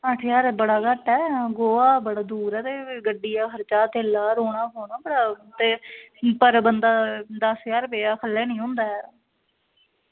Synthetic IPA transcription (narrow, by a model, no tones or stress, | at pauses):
əʈʰjaːɾbəɽaːɡəʈːɛːɡoːaːbəɽaːd̪uːɾɛːt̪eːɡəɖːijaːkʰəɾt͡ʃaːt̪eːlaːɾoːɽ̃aːɦoːɳaːbəɽaːt̪eːpəɾbənd̪aːd̪əsjaːɾpeːaːkʰəlːɛːnĩːɦʊ̃nd̪aːɛː